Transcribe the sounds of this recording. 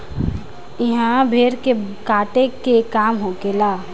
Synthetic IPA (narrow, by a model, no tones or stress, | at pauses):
ɪɦãbʱeːɾkekaːʈekekaːmɦokelaː